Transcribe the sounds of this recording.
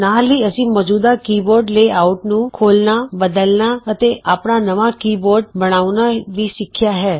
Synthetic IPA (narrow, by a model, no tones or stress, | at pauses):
naliəsiməd͡ʒud̪akiboɾɖleauʈnũkʰolnabəd̪əlnaət̪eapɳanəʋãkiboɾɖ̚bəɽ̃aʋnaʋiʃɪkʰjaɦɛ